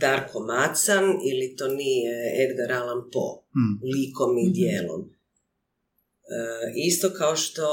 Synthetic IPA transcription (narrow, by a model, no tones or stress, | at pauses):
d̪aɾkʰomat̪sanilit̪onijeed̪ɡaɾalampo̰liːkomid̪jeːlo̰m | ist̪okaoʃt̪o̞